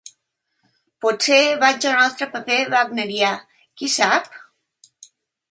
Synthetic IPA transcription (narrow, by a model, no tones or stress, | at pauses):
poseβad͡ʒonɔst̪ɾəpəpeβaɡneɾja | kisap̚